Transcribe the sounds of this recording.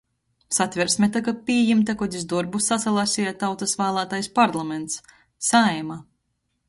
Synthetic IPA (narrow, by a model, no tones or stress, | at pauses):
sat̪ʲvʲɛɾsmʲɛt̪akapʲiːjimt̪akɔd̪ʲizd̪uɾbusat̪salˠasʲiat̪awt̪asvæːlˠaːt̪ajspaɾlˠamɛnt̪s | ajma